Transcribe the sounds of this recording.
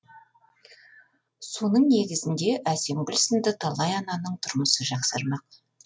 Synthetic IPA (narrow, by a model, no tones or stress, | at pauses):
so̞nəɴne̞ɡʲɪzɪnd̪e̞ʔæse̞mɡʲʏlʲsənd̪ɪt̪ʰɑlˠɑjɑnɑnəɴt̪ʰʊɾməsəʒɑqsəɾmɑq̚